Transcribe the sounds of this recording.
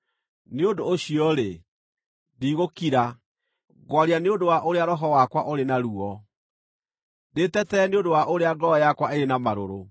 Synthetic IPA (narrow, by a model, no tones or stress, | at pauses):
neodoːɕiɔɾe | diːɣokiɾa | ɡwaɾianeondowaʔoɾeaɾɔɦɔwakwaʔoɾenaɾuɔ | detɛtɛːneondowaʔoɾeaɡɔjakwaeɾenamaɾo̰ɾo